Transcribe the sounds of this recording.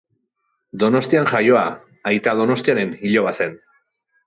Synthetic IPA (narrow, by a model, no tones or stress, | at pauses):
d̪o̞no̞st̪ianʝajo̞a | ajt̪aðo̞no̞st̪iaɾe̞niʎo̞βase̞n